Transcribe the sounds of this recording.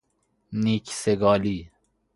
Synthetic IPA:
niːkseɡɑːli

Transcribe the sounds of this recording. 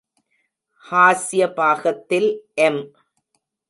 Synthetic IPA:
haːsɪjɐbaːɣɐt̪ːɪlʔɛm

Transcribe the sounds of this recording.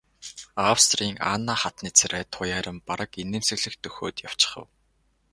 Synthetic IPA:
awst̪riːŋa̰nːaːχat̪niːt͡sʰɾæːt̪ʰʊjaːɾə̆mpaɾə̆keneːmsɘ̆ɣɮɘ̆xt̪ɵxo̰ːt̪jaw̥t͡ɕɪ̥̆χə̰̆w

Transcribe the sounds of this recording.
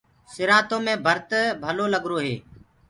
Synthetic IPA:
sɪɾaːt̪õːmẽːbʱəɾt̪əbʱəloːləɡɾoːɦḛː

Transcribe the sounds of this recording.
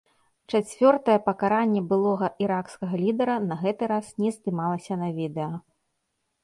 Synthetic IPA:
t͡ʂat͡sʲvʲɔrt̪ɐjɛpɐkaɾanʲːɛbɨlˠɔɣɐʔiɾakskɐɣɐlʲid̪ɛɾɐnɐɣɛt̪ɨɾasnʲɛzd̪ɨmalˠɐsʲɐnɐvʲid̪ɛjɔ

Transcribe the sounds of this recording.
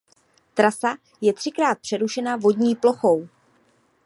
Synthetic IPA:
t̪ɾasa | jɛt̪r̥ɪkɾaːt̪̚pr̥ɛɾuʃɛnavo̞dɲiːplo̞xo̞w

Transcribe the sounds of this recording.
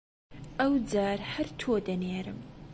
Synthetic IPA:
ɐwd͡zaːɾhɐɾt̪ʰoːd̪ɐneːɾɨm

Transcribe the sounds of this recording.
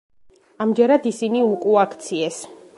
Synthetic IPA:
amd͡ʒɛɾad̪isiniukʼuakʰt̪sʰiɛs

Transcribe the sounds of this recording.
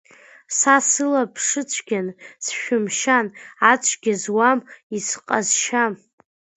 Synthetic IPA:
sasɨlapʰʂɨt͡ʃʷʰɡʲansʃᶣʊmʃanat͡ʃʷʼʰɡʲɪzwamisqʼazʃam

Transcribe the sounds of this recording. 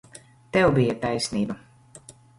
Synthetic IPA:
t̪ɛwbijat̪ajsniːbɐ

